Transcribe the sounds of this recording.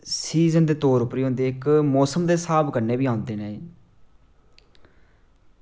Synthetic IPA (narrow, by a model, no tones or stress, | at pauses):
siːzənd̪eːt̪oːɾʊpɾiːõːnd̪eːɪkmɔːsəmd̪eːsaːbkəɾneːbiːãːnd̪eːneː